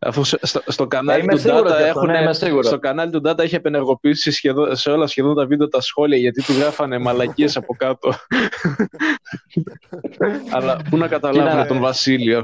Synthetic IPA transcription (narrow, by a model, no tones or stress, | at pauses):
ɐ̰fusest̪ost̪o̞kɐnɐlit̪ud̪ɐɾt̪ɐexunnesiɣust̪o̞kɐnɐlit̪ud̪ɐt̪ɐeçiepe̞neɾɣo̞piisisçeðoseo̞lɐsçe̞ðo̞nt̪ɐvid̪et̪ɐsxo̞liɐʝɐt̪it̪uɣɾɐfɐne̞mɐlɐciesɐpo̞kɐt̪o̞ | ɐlɐpunɐkɐt̪ɐlɐvunet̪o̞nvɐsilio